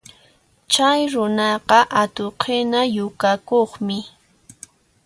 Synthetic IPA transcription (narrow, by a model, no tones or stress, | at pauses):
t͡ʃajɾʊnɑqɑʔat̪oqʰɪnajʊkakoχmɪ